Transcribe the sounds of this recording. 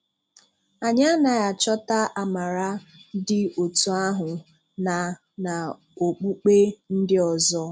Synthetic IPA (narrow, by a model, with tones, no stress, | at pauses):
a˨ɲa˦na˨ja˨t͡ʃɔ˦ta˦ʔa˨ma˨ɾa˦dɪ˦o˨tu˨a˦ɦʊ˨ | na˨ | na˨ | o˨k͡pu˦k͡pe˦n̩˦dɪ˦ɔ˨zɔ˦